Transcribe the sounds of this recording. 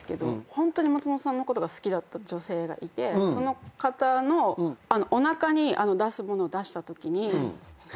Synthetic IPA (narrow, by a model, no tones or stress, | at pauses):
ɨ̥ke̞d̪o̞̰hõ̞nt̪o̞ɲ̟imat͡sɨmot̪osãnːoko̞t̪o̞ɡasɨ̥kʲid̪at̪ːad͡ʑo̞se̞ːɡa̰ʔit̪e̞so̞no̞kat̪ano̞ano̞ʔonakaɲ̟ia̰no̞d̪asɨmo̞no̞ːd̪aɕi̥t̪at̪o̞kʲiɲ̟i